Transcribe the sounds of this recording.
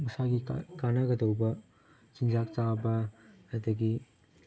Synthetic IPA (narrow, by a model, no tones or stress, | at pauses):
mɐsaɡikanɐɡɐdɐwbɐ | t͡ʃiŋzak̚t͡ʃabɐ | ɐd̪ɐɡi